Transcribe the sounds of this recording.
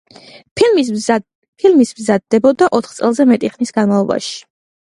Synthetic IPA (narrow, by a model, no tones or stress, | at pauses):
pʰil | pʰilmismzad̪ːɛbɔd̪aʔɔt̪ʰχt̪sʼɛlˠzɛmɛt̪ʼiχnisɡ̥anmalˠɔba̰ʃi̥